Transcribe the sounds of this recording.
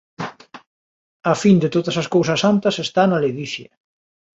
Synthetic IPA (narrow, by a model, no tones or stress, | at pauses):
afind̪et̪oðɐsɐskowsɐsant̪ɐsest̪analeðiθjɐ